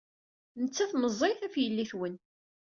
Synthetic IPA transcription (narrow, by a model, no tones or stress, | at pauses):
nət͡sːæθməzˤːiθæfjəlːiθwən